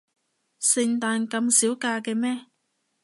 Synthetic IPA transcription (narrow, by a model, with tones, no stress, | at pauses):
sɪ˧ŋt̪aː˧nkɐ˧msiː˨˥wkaː˧kɛː˧mɛː˥